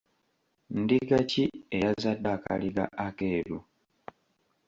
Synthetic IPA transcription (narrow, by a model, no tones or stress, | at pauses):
ndiɡaciejazadːaka̰liɡa̰ʔakeːɾu